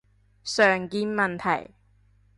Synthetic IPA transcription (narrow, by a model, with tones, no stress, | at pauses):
sœː˨˩ŋkiː˧nmɐ˨nt̪ʰɐ̰˨˩j